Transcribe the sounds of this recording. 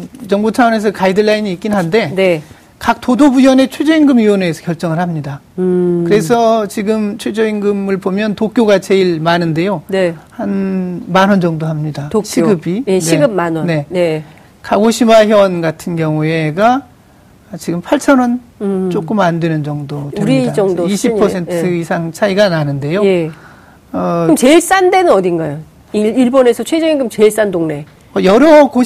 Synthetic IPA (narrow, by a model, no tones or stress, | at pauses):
t͡ɕʌŋbut͡ɕʰawʌne̞s̬ʰʌkaidɯɭːainiːk͈inɦande̞ne | kak̚t͈odobujʌne̞t͡ɕʰwe̞d͡ʑʌiŋɡɯmioneːsʰʌ̥kjʌɭt͡ɕ͈ʌŋɯɭhamɲida | kɯɾe̞sʰʌt͡ɕiɡɯmt͡ɕʰwe̞d͡ʑʌiŋɡɯmɯɭbomjʌntok͈joɡat͡ɕe̞iɭmanɯnde̞jonehanmanɦʌnd͡ʑʌŋdoɦamɲidaɕʰiɡɯbineiɡɯanne̞ | kaɡoɕʰimaçjʌnɡatʰɯnɡjʌŋue̞ɡa | t͡ɕiɡɯmpʰaɭt͡ɕʰʌnʌnt͡ɕ͈ok͈ɯmandwe̞nɯnd͡ʑʌŋdoteɾid͡ʑʌŋdoiɕʰipʰʌsʰe̞nʰɯisʰaŋt͡ɕʰaiɡananɯnde̞joje̞ | ʌɯmt͡ɕe̞iɭs͈ande̞nɯnʌdinɡajo | iiɭbonesʰʌt͡ɕʰwe̞d͡ʑʌɡinɡɯmt͡ɕeiɭs͈andoŋne̞ | ʌjʌɾʌko